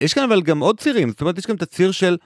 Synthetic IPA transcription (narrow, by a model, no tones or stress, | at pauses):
jeʃkanavalɡamo̞d̪̚t͡siʁimzotomt̪̬jeɡamt̪at͡siʁʃel